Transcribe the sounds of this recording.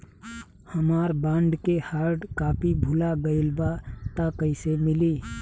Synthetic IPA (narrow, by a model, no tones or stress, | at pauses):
həmaːɾbãːɳɖkehaːɾɖkaːpʰibʱʊlaɡəɪlbat̪akəɪsemɪliː